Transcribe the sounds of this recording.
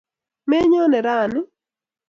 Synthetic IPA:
mɛ˦ɲɔ˦nɛ˨ɾa˦˨nɪ˦

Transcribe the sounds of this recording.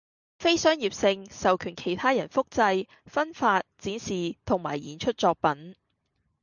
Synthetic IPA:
fe˥jsœː˥ŋjiː˨˩p̚sɪ˧ŋsɐ˨wkʰyː˨˩nkʰe˨˩jt̪ʰaː˥jɐ˨˩nfʊ˥k̚t͡sɐ˧j | fɐ˥nfaː˧t̚t͡siː˨˥nsiː˨t̪ʰʊ˨˩ŋma̰ː˨˩jiː˨˩nt͡ʃʰɵ˥t̚t͡sɔː˧k̚pɐ˨˥n

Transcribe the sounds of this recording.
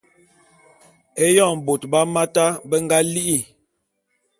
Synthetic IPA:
e˦jɔ˦˨m˨bo˨tba˦ma˦ta˦bə˦ŋɡa˦li˦ʔi˦˨

